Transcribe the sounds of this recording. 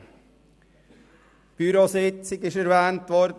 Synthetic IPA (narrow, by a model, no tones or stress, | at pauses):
b̥yɾoːsɪt̪sɪkːəʃəɾʋænt̪ʋɔɾ